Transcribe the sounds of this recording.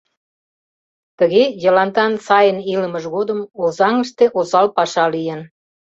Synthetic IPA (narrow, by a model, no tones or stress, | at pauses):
t̪əɣejəlɑnt̪ɑnsɑjəniləməʒɣod̪əmozɑŋəʃt̪eʔozɑlpɑʃɑlijən